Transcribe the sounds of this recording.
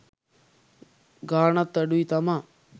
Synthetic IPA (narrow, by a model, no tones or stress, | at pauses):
ɡaːɳɐt̪ːɐɖuit̪ɐma